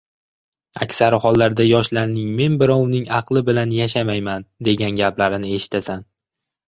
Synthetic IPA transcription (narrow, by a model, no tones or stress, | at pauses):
a̰kʲsaɾɪhɒlˠːaɾd̪ajɒʃlaɾnɪŋme̞nbɪɾɒwnɪŋɑqlˠɪbɪlanjaʃamajmand̪e̞ɡʲanɡʲaplaɾɪnɪe̞ʃɪ̥t̪ʰasan